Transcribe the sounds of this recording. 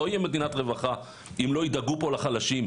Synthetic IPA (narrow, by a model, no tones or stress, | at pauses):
oijeme̞d̪inat̪ʁe̞vaχa | imlo̞id̪aɡupo̞laχalaʃim